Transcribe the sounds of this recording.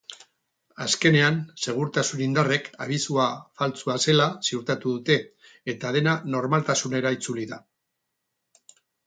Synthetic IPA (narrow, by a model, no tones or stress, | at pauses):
aske̞ne̞anse̞ɣ̞uɾt̪asunind̪are̞kaβ̞isuafalt͡suase̞lasiuɾt̪at̪uðut̪e̞ː | t̪að̞e̞nano̞ɾmalt̪asune̞ɾait͡suliða